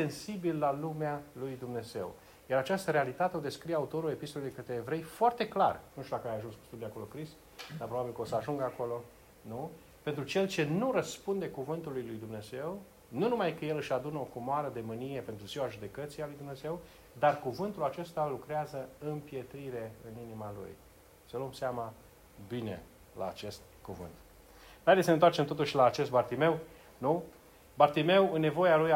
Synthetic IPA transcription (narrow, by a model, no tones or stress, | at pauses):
se̞nsibilːalumealujd̪umne̞ze̞̰w | jaɾat͡ʃast̪əɾe̞alit̪at̪eo̞d̪e̞skɾijaut̪o̞ɾule̞pist̪oled̪ekət̪ɾeːvɾe̞jfoart̪e̞kla̰rnuʃt̪ʲud̪akəajaʒunsku̥st̪ud̪iako̞lo̞kɾis | d̪apɾobabilkəo̞səaʒuŋɡako̞lo̞ | nu | pe̞nt̪ɾut͡ʃe̞lt͡ʃe̞nuɾəspund̪e̞kuvɨnt̪ulːujlujd̪umne̞ze̞w | nunumajkəje̞lɨʃad̪unəokumoaɾəd̪e̞mɨnije̞pe̞nt̪ɾuziwaʒud̪e̞kət̪sialujd̪umne̞ze̞w | d̪arkuvɨnt̪ulat͡ʃe̞st̪alukɾeazəɨmpje̞t̪ɾiɾe̞ɨninimalṵj | səluomseama | bine̞̰ | la̰ːt͡ʃe̞st̪̚ | kuvɨ̰nt̪ | d̪aɾesənent̪wart͡ʃe̞mt̪o̞t̪uʃʲlaːt͡ʃe̞st̪̚bart̪ime̞w | nu | bart̪ime̞wɨnːe̞vo̞jaluj